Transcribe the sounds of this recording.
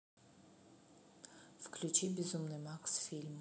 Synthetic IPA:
fklʲut͡ʃibʲɪzumnɨmaksfʲilʲm

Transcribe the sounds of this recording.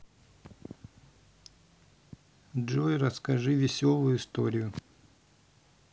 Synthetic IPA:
ʐojɾɐskɐʐɨvʲɪsʲolˠʊjʊɪst̪oɾʲɪjʊ

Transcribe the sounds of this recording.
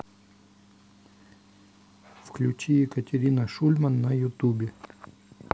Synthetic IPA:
fklʲʉt͡ɕijɪkətʲɪɾʲinəʂulʲmɐnːɐjʊt̪ubʲɪ

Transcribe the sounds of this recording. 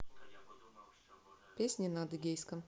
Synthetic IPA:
pʲesʲnʲinad̪ɨɡʲɛjskɐm

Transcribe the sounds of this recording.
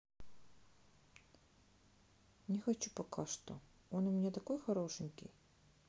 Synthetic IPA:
nʲɪxɐt͡ɕupɐkʰaʂt̪o̰ | onʊmʲɪnʲat̪ɐko̞jxɐɾo̞ʂɨnʲkʲɪ̰j

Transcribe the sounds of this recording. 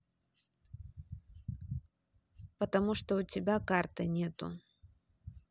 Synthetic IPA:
pɐt̪amuʂt̪ɔut͡sʲɪbʲakart̪ɨnʲɛt̪ṵ

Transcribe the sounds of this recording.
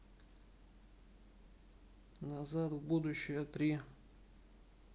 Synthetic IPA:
nazat̪vbud̪ʊɕːɪjət̪ɾʲi

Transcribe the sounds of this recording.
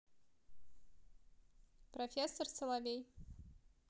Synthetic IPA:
profʲesːorsɨlˠavʲej

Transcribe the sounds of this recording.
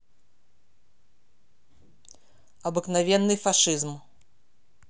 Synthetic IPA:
ɐbɨknavʲɛnːɨfaʂɨzm

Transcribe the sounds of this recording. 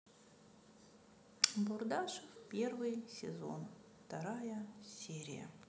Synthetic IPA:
bʊrd̪aʂɨfpʲervɨjsʲɪ̰zo̞̰n | ft̪ɐɾajəsʲeɾʲɪ̰jə̰

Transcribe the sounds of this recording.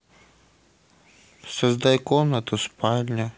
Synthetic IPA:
sɐzd̪ajkɔmnɐt̪ʊspalʲnʲɐ

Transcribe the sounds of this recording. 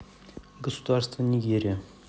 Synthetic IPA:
ɡəsud̪aɾst̪vənʲiɡʲeɾʲe

